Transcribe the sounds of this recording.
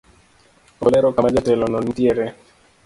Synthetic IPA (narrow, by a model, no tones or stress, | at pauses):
olɛɾɔkamad͡ʒatɛlɔnɔn̩tjeɾe